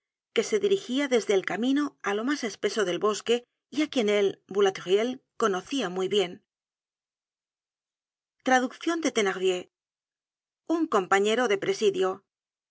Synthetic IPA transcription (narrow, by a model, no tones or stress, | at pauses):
ke̞se̞ðiɾixiaðe̞zðeːlkamĩno̞alo̞mase̞spe̞so̞ðe̞lβo̞ske̞ | iakje̞ne̞lbulat̪ʁje̞lko̞no̞θiamujβje̞n | t̪ɾaðukθjo̞nd̪e̞t̪e̞naʁβje̞ | uŋko̞mpaɲe̞ɾo̞ðe̞pɾe̞siðjo̞